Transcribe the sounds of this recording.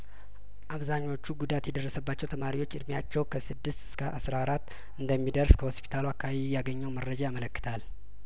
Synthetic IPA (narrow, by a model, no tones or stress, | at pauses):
ʔaβzaɲːwo̞t͡ʃːuɡud̪at̪jɛd̪ərːəsəbːat͡ʃːɛwt̪ʰəmaɾiwo̞t͡ʃːɨd̪mjat͡ʃːɛwkʰəsɨd̪ːɨst̪ɨ̥skʰaʔasɾawɾat̪ː | ɨnd̪əmːid̪əɾskʰəho̞spʰi̥t̪ʰaluakʰːaβiijaɡəɲːɛwmərːəd͡ʒajamələkːɨ̥t̪ʰal